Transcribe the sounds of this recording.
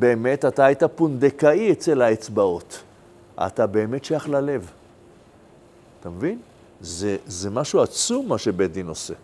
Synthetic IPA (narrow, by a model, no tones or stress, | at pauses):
be̞ːme̞tataajtapund̪ekaiet͡se̞laet͡sbao̞t | a̰a̰tabe̞ːme̞tʃajaχlale̞v | atamevin | zezemaʃuat͡sumːaʃe̞bedino̞se̞